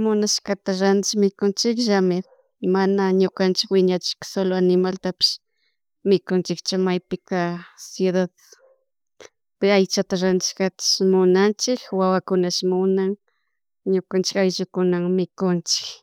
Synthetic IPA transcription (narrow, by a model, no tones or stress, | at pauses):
mʊnaʃkat̪aɾand̪ɪʃmɪkʊnt͡ʃɪkʒamɪ | manaɲʊkant͡ʃɪkwɪɲat͡ʃɪ̥kḁsoloanɪmalt̪apɪ̥ʃ | mɪkʊnt͡ʃɪkt͡ʃʊmajpɪkasjuðað | pɪajt͡ʃat̪aɾant̪ɪ̥ʃkat̪ḁʃmʊnant͡ʃɪkwawakʊnaʃmʊnaŋ | ɲʊkant͡ʃɪ̥kajʒʊkʊnaŋmɪkʊnt͡ʃɪ̥k